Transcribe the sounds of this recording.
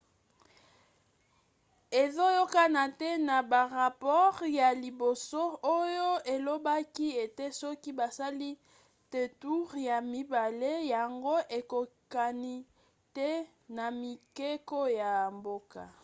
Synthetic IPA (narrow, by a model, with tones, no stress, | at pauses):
e˨zo˦jo˦ka˦na˨tɛ˦na˨ba˨ʁa˨pɔ˦ʁja˨li˨bo˨so˦o˦jo˦e˨lo˦ba˦ki˦e˨te˦sɔ˦ki˦ba˨sa˦li˦ | te˨tu˦ʁja˨mi˦ba˨le˦ja˨ŋɡo˦ʔe˨ko˨ka˨ni˦ | tɛ˦ | na˨mi˨ke˦ko˦ja˨mbo˦ka˨